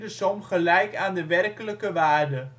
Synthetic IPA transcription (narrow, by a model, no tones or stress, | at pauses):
dəsɔmχəlɛjkaːndəʋɛrkələkəʋaːrdə